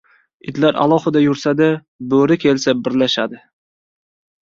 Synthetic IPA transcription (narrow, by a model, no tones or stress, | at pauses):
ɪ̰d̪laɾa̰lˠɒhɨd̪ajʊɾsad̪a | bɵɾɪkʲʰe̞lsabɪɾlaʃa̰d̪ɪ